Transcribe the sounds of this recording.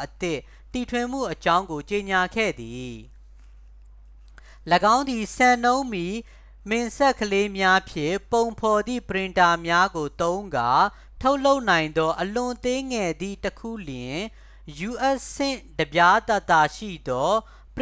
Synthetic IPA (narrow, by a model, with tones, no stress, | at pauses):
ʔət̪ɪ˦˨ʔ | ti˨tʰwɪ̃˨m̥ṵ˦˨ʔət͡ɕã˦ʊ̃ŋɡo˨t͡ɕe˨ɲa˨ɡʰɛ̰˦˨d̪i˨ | ləɡã˦ʊ̃nd̪i˨sã˨nõ˦ʊ̃mi˨ | mɪ̃˨nsɛ˦ʔkʰːəle˦mja˦pʰjɪ̰̃˦˨põ˨ʊ̃mpʰɔ˨d̪ðḭ˦˨pəɹɪ̃˨nta˨mja˦ɡo˨t̪õ˦ʊ̃ŋɡa˨ | tʰo˦ʊʔl̥o˦ʊʔnã˨ɪ̃nd̪ɔ˦ʔəlʊ̃˨t̪ɪ̃˦ŋɛ˨d̪ḭ˦˨təkʰṵ˦˨ljɪ̃˨ | ju˨ʔɛ˦ʔsɪ̃˦˨dəbja˦t̪a˦t̪ːa˨ʃḭ˦˨d̪ɔ˦ | p